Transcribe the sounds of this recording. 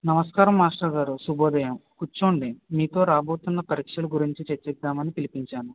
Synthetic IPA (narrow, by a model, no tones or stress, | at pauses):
nɐmɐskaːɾɐmaːʂʈɐɡaːɾusuboːd̪ɐjɐmkut͡ʃːoːɳɖimiːt̪o̞ːɾaːbo̞ːt̪unːɐpɐɾiːkʂɐluɡuɾiɲt͡ʃit͡ʃet͡ʃːɛd̪ːaːmɐnipilipiɲt͡ʃaːnu